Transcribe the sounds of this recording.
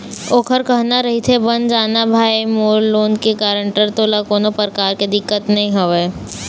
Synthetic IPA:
oːkʰəɾkɐɦnaɾɐɦit̪ʰebɐnd͡ʒaːnabʱaːimoːlːoːnkekaːɾə̃ɳʈəɾt̪oːlakoːnopɾəkaːɾked̪ɪkːət̪nɐɦĩɦoʋeː

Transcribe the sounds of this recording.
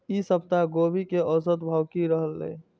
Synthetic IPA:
isəb̚t̪aɡobʱikeɔsət̪bʱawkiɾəɦəlːə̰ː

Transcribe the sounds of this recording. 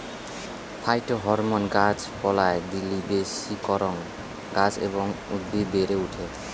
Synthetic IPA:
pʰajʈɔɦɔɾmɔnɡad͡ʒpɔlajd̪ilːibesikɔɾɔŋ | ɡad͡zḛbɔŋṵd̪ːib̪eɾeuʈʰe

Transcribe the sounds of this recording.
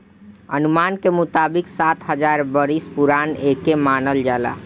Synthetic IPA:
ənumankemut̪abiksat̪ɦəd͡ʒaɾbəɾispuɾanekemanəld͡ʒala̰

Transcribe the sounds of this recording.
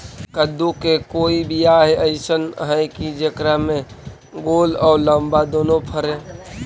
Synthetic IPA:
kəd̪ːukekoːibʱiaɦeəɪsənɦəjkid͡ʒekɾamẽ | ɡoːlɔːləmbad̪oːnopʰəɾe

